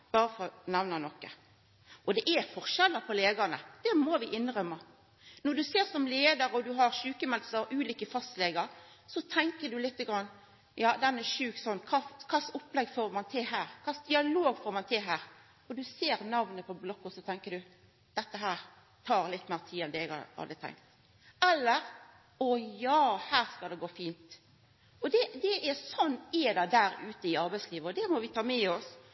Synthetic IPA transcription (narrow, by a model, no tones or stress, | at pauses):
b̥ɑːɾəfɔɾnɛʋnɑnɔkːə | ʔɔd̪ɛʔæfɔʁʃɛlːəpʰɔleːd̪ɑnəd̪̥ɛmɔʋɪʔɪnʁœmːɑ | nɔd̪ʉseːɾsɔmleːd̪əɾɔd̪ʉɦɑɾʃʉːkəmɛlsəɾʔʉːliːkəfɑst̪leːɡəɾ | sɔt̪ʰɛŋkədʉlɪt̪ːəɡɾɑnː | jɑːd̪ɛnɛʃʉːksɔnːkʰɑːkʰɑsʊpːlɛɡːfoːɾmɑnt̪ʰɪlhæːʁkʰɑːsd̪ɪɑloːɡfoːɾmɑnt̪ʰɪlɦæːʁ | ɔd̪ʉseːɾnɑʋnəpʰɔblɔkːɔsɔt̪ʰɛŋkəd̪ʉ | d̪̥ɛt̪ːəɦæːɾ | t̪ʰɑːɾlɪt̪ːmæːɾt̪ʰiːɛnd̪ɛːɛɡɑ̰ɾɑ̰ld̪ɾɪt̪ʰɛ̰ŋkt̪ | ɛlːəɾ | ɔjɑːhæːɾskɑld̪ɛɡoːfiːnt̪ | ɔd̪ɛd̪ɛʔæɾsɔnːeːd̪ɑd̪æːɾʉːt̪əɪɑɾbæɪsliːʋəɔd̪ɛmɔʋɪt̪ʰɑːmɛɔs